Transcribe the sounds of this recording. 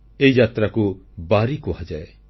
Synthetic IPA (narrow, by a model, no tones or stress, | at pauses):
eijat̪ɾakubaɾikuɦad͡ʒae